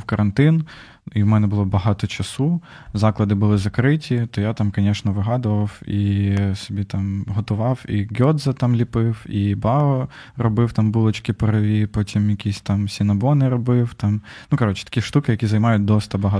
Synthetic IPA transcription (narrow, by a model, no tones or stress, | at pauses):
wkɐɾɐnt̪ɪn | iwmɛnɛbʊlˠɔbɐɦɑt̪ɔt͡ʃɐsu | zɑklˠɐd̪ɪbʊlˠɪzɐkɾɪtʲit̪ɔjat̪ɑmkɐnʲɛʃnɐʋɪɦɑd̪ʊʋɐwisɔbʲit̪ɑmɦɔt̪ʊʋɑwiɡʲɔd̪zɐt̪ɑmlʲipɪwibɑɔrɔbɪwt̪ɑmbulˠɔt͡ʃkʲɪpɔɾɐʋʲipɔtʲimjɐkʲisʲt̪ɑmsʲinɐbɔnɪɾɔbɪwt̪ɑmnukɐɾɔt͡ʃɛ̥t̪ɐ̥kʲiʃt̪ukɪjɐkʲizɐjmɑjʊt̚ʲd̪ɔst̪ɐbɐɦɑ